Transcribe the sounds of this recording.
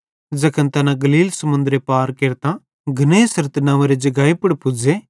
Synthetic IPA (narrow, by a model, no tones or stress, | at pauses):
d͡zɐkʰənt̪ɐnãɡɐliːlsɐmʊ̃nd̪ɾepaːɾkeːɾt̪ã | ɡʱɐneːsɐɾt̪nãːʋeɾed͡ʒɐɡaːipʊɽpʊd͡ze